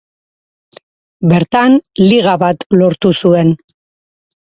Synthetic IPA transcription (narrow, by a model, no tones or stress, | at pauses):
be̞ɾt̪anliɣ̞aβat̪lo̞ɾt̪usue̞n